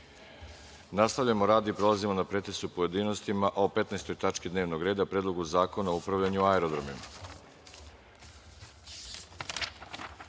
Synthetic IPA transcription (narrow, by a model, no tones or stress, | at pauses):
nast̪aʋʎamoɾaːd̪iːpɾo̞lˠazimo̞napɾe̞t̪esupoje̞d̪iːno̞st̪imaʔope̞t̪naest̪ojt̪at͡ʃked̪neːʋnoɡɾe̞ːd̪apɾeːd̪lˠo̞ɡuzaːko̞naoupɾaʋʎaɲuaeɾod̪ɾomim